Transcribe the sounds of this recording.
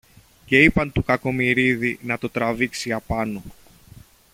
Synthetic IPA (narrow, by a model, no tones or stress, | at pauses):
ce̞ipɐnt̪ukɐko̞miɾiðinɐt̪o̞t̪ɾɐviksiɐpɐno